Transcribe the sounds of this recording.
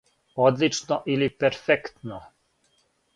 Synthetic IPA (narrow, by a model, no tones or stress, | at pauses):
od̪lit͡ʃnoʔilipɛɾfɛkt̪no